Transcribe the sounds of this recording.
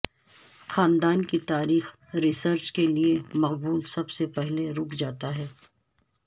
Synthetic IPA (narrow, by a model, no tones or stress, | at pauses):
xaːnd̪aːnkit̪aːɾiːx | ɾɪsəɾt͡ʃkeliemɐqbuːlsɐbsepɛɦleɾʊːkʰd͡ʒaːt̪aɦɛː